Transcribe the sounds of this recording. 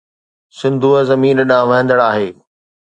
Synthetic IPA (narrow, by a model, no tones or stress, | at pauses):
sɪ̃nd̪ʱuəzɐmiːnɗãːʋɐɦɪ̃nd̪əɽaːɦeː